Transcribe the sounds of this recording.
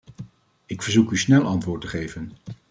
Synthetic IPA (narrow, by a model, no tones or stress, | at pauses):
ɪkfəɹzukysnɛlˠʔɑntʋʊːɹtəχejvən